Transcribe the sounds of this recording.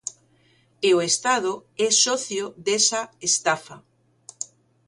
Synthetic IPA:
eoest̪að̞oɛsɔθjoðɛsaest̪afa

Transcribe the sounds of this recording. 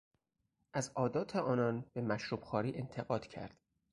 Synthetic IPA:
ʔæzɒːd̪ɒːt̪ʰeɒːnɒːnb̥e̞mæʃɾuːb̥xɒːɾiːʔe̞nt̪ʰe̞ɣɒːd̪̥cʰæ̰ɾd̪̥

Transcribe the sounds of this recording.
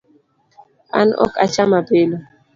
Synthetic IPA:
a̰nʔɔ̰kat͡ʃamabelo

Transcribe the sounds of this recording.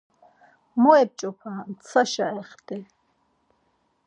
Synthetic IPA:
mɔɛp̚t͡ʃʼɔpʰant͡sʰaʃaɛχt̪ʼɛ

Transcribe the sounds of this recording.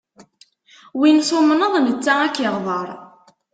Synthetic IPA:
winsomənəðˤmət͡sːaækːəʁðˤɑɾˤ

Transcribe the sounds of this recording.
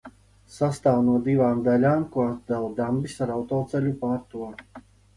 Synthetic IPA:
sast̪aːwnuɔd̪ivaːmd̪alʲaːmkuat̪̚d̪alˠad̪ambisaɾawt̪ɔːt̪sɛlʲupaːɾt̪uɔ

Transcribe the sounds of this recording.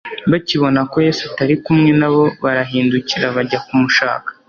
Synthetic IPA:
βaciβo̞nako̞je̞ːsataɾikumŋe̞naβo̞βaɾaɦiːnduciɾaβaɟakumuʃa̰ːkḁ

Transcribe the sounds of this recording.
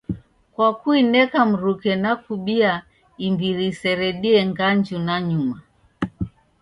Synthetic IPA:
kwakuinɛkam̩ɾukɛnakuɓia | imbiɾisɛɾɛɗiɛŋɡand͡ʒunaɲuma

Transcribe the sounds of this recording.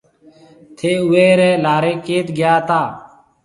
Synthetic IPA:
t̪ʰeːueːɾeːlaːɾeːkeːt̪ɡjaːt̪aː

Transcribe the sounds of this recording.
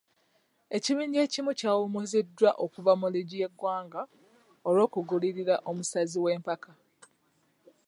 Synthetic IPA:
e̞ciβiːɲɟe̞ːcimucaːwumuzidːwaʔokuvamuliɟije̞ɡwaːŋɡa | oɾwo̞ːkuɡuliɾiɾaʔo̞musaziwe̞ːmpaka

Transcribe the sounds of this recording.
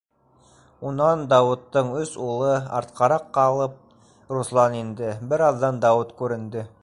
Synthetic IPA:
unɑnd̪ɑwŭt̪ːɤɴɵsulˠɤɑ̰ɾt̪̚qɑɾɑqːɑlˠɤp̚ | ɾuslˠɑnind̪ɘbɘɾɑðːɑnd̪ɑwut̪kʉɾɘ̆nd̪ɘ

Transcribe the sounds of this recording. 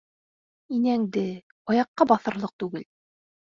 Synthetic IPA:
inæŋd̪ɘ | ɑjɑqːɑbɑθɤ̆ɾlˠɤq̚t̪ʉɡɘl

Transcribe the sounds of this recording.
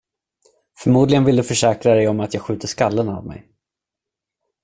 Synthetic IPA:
fœɾmuːd̪lɪɡənvɪld̪ɵfœʂɛːkɾad̪ɛjɔmat̪jɑːɡɧʉ̟ːt̪əʂkalːəna̰vmɛ̰j

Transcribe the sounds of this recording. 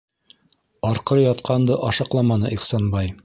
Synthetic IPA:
ɑɾqɤɾjɑt̪qʰɑnd̪ɤʔɑʃɑqlˠɑmɑnɤʔiχsɑnbɑj

